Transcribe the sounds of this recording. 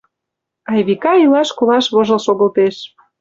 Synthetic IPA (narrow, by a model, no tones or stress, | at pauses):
ɑjβikɑilɑʃkolɑʃβoʒɤ̆lʃoɣə̆lt̪eʃ